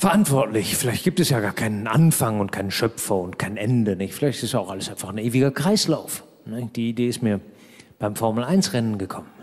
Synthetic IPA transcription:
fɛɐʔantv̥ɔɐtlɪçfɪlaɪçt̚ɡ̥iːptɛsjaːɡaːɐkʰaɪnənʔa̰nfaŋʊntkʰaɪnəʃœpfɐʊntkʰaɪnʔɛndənɪçtfɪlaɪçtɪstjaʊxʔaləsʔaɪnfaχn̩ʔeːvɪɡɐkʁ̥aɪslaʊf | nəçd̥iːideːɪstmiːɐ | b̥aɪmfɔɐml̩aɪnsʁɛnənɡəkʰɔmən

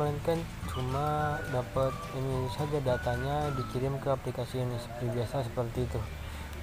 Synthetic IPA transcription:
ankan | t͡ʃumadapat̪̚inisad͡ʒadat̪aɲadikiɾɪmkəaplikasiaŋsə̥pɾibiasasəpərt̪iːt̪u

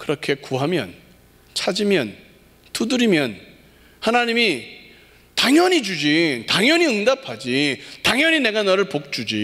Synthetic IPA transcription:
kɯɾʌkʰe̞kuɦamjʌ̰n | t͡ɕʰad͡ʑimjʌn | tudɯɾimjʌn | hanaɲimi | taŋjʌɲid͡ʑud͡ʑitaŋjʌɲiɯŋdapʰad͡ʑitaŋjʌɲine̞ɡanaɾɯɭpok̚t͡ɕ͈ud͡ʑi

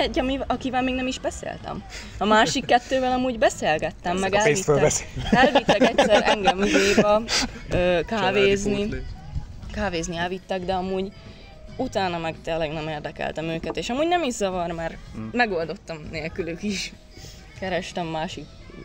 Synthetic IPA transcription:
ɛɟːɒmiɒkivɛlmeːɡnɛmiʒbɛsḛːlt̪ɛ̰mɒmaːʃikːɛt̪ːøːvɛlɒmuːɟbɛseːlɡɛt̪ːɛmːɛɡɛlːiøɛlvit̪ːɛkɛcsɛɾʔɛŋɡɛmid̪eːbɛøːkaːveːzni | kaːveːzniɛlvit̪ːɛɡd̪ɛɒmuːɟ | ut̪aːnɒmɛkt̪ɛlɛnɛmeːrd̪ɛkɛ̰lt̪ɛmøːkɛt̪eːʃɒmuːɟnɛmiʒzɒvɒrmaːrmɛɡo̞ld̪o̞t̪ːɒmneːlkylykiʃ | kɛɾɛʃt̪ɛmːaːʃik

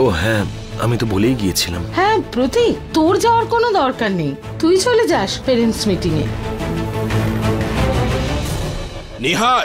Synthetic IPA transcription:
oɦɛ̃ | a̰mit̪obolejɡiet͡ɕʰila̰mhɛ̃pɾot̪it̪oɾd͡ʑaoaɾkonod̪ɔɾkaɾnej | t̪ujt͡ɕʰoled͡ʑaʃpeɾensmiʈiŋḛ | niɦa

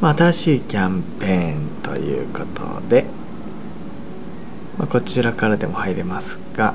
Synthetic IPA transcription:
maːt̪aɾaɕiːkʲãmpẽ̞ːnt̪o̞̰jɯ̟̰ːko̞t̪ʰo̞̰d̪e̞ | mako̞t͡ɕiɾakaɾad̪e̞mo̞haiɾe̞masɨ̥ɡ̥a

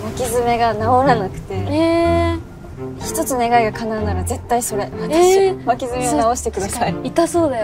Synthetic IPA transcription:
βakʲizɨme̞ɡanaoɾanakɯ̟̥t̪e̞e | çi̥t̪o̞t͡sɨne̞ɡaiɡakʰanaɯnaɾaze̞t̪ːaiso̞ɾe̞mat̪ɕβakʲizɨmenao̞ɕi̥t̪e̞kɯ̟d̪asaiit̪aso̞ːd̪ajo

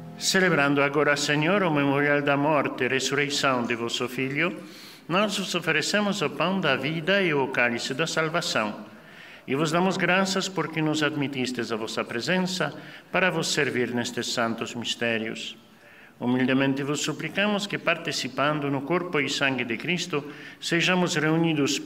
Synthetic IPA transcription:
seleβɾãnd̪ʊaɣoɾaseɲoɾʊmemoɾjald̪ɐmɔɾt̪ɪresurejsãŋd̪ɪvɔsʊfiʎʊ | nɔzvʊsofeɾesemʊsopand̪aviðɐɪʊokalisɪd̪asalβasãŋ | ɪvʊzd̪amʊzɡɾasɐspoɾkɪnʊzad̪mit̪ist̪ɪzavɔsɐpɾezẽnsɐpaɾɐvʊsːeɾviɾnɛst̪ɪsːãnt̪ʊzmist̪ɛɾjʊ̰s | umild̪emẽnt̪ɪvʊsːuplikamʊskɪpaɾt̪isipãnd̪ʊnʊkoɾpʊisãŋɡɪd̪ɪkɾist̪ʊseʒamʊzreuniðʊs

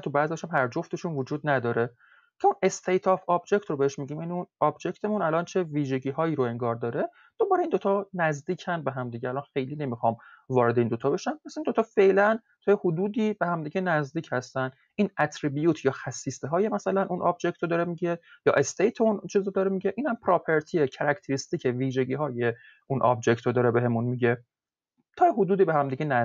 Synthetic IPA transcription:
t̪ʰubæzijɒːʃæmɦæɾd͡ʒoft̪e̞ʃunvod͡ʒuːd̪næd̪ɒːɾe̞ | cʰeune̞st̪ʰejt̪ʰɒfɒbd͡ʒe̞ct̪robeheʃmiːɟiːmjæniunɒːbd͡ʒe̞ct̪ʰe̞munælɒnt͡ʃʰe̞viːʒe̞ɟiːɦɒːiːɾoe̞ŋɡɒːɾd̪ɒːɾe | d̪̥obɒːɾeiːnd̪o̞t̪ʰɒːnæzd̪iːcʰænbe̞ɦæmd̪iːɟeælɒnxe̞jliːne̞mixɒːmvɒːɾe̞d̪e̞iːnd̪o̞t̪ʰɒːbe̞ʃæmpæsind̪ot̪ʰɒːfe̞ʔlæn | t̪ʰɒːjehod̪uːd̪iːbehæmd̪iːɟenæzd̪iːcʰhæst̪æn | iːnæt̪ʰɾibijuːt̪ʰjɒːxæsːiːst̪eɦɒːjemæsælænʔunʔɑ̰b̚d͡ʒect̪od̪ɒːɾemiɟejɒ̰ːʔe̞st̪ʰejt̪ʰeunt͡ʃʰiːzod̪ɒːɾemiɟeʔiːnhæmpʰɾɒːpʰeɾt̪ʰiecʰæɾækʰt̪ʰeɾist̪iːcʰeviːʒe̞ɟiːɦɒːje̞ | unʔɒ̰b̚d͡ʒe̞ct̪ʰod̪ɒːɾebe̞ɦe̞munmiɟe̞ | t̪ʰɒːjeɦod̪uːd̪iːbeɦæmd̪iɡɟenæ

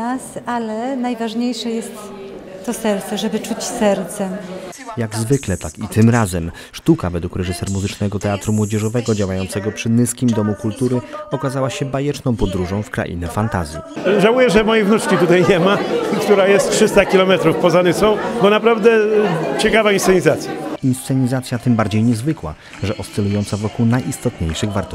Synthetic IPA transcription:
asalɛnajvaʐɲejʂɛjɛst̪ːɔsɛɾt̪sɛʐɛbɘt͡ʂut͡ɕsɛɾt̪sɛjaɡzvɘklɛt̪akit̪ɘmɾazɛm | ʂt̪ukavɛd̪wukɾɛʐɘsɛɾmuzɘt͡ʂnɛɡɔt̪ɛat̪ɾumwɔd͡ʑɛʐɔvɛɡɔd͡ʑawajɔnt̪sɛɡɔpʂɘnɘskʲimd̪ɔmukult̪uɾɘɔkazawaɕɛbajɛt͡ʂnɔ̃w̃pɔd̪ɾuʐɔ̃w̃fkɾa̰ʔḭnɛfant̪azʲjḭʐawujɛʐɛmɔjɛvnut͡ʂkʲit̪ut̪ajɲɛmakt̪uɾajɛst̪tʂɘst̪akʲilɔmɛt̪ɾufpɔzanɘsɔ̃w̃bɔnapɾavd̪ɛt͡ɕɛkavainssɛɲizat̪sʲjainst̪sɛɲizat̪sʲjat̪ɘmbaɾd͡ʑejɲɛzvɘkwa̰ | ʐɛʔɔst̪ɛlujɔnt̪savɔkuwnajʔist̪ɔt̪ɲejʂɘɣvaɾt̪ɔ

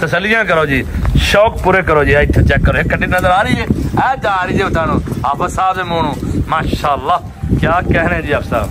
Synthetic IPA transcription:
t̪əsəlːɪjãːk̬əɾoːd͡ʒiːʃoːkpuːɾeːkəɾoːd͡ʒiːt̪ʰet͡ʃɛːkːəɾoːɦekəɗɪnəzəɾaːɾiːeːɛːd͡ʒaːɾiːd͡ʒeːʊt̪aːnõːaːpəsaːbeːmoːɳõːmaːʃaːlːaː | kjaːkeɦñẽːd͡ʒiːaːpsa̰ːb

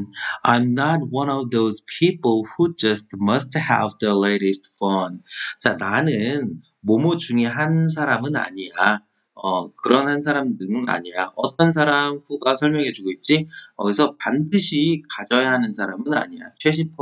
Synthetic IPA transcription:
a̰jmnat̚wʌnʌvðoz̥pʰiplhud͡ʑʌstmʌsthɛ̰vðəleɪɾist̚fʌnt͡ɕananɯn | momud͡ʑuŋeɦans̬ʰaɾamɯna̰ɲija | ʌkɯɾʌnhans̬ʰaɾamdɯɯna̰ɲijaʔʌt͈ʌns̬ʰaɾamhuɡasʰʌɭmjʌŋɦe̞d͡ʑuɡoit̚t͡ɕ͈iʌɡisʰʌpandɯɕʰikad͡ʑʌjaɦanɯnsʰaɾamɯna̰ɲija̰t͡ɕʰweɕ̬ʰipʰ

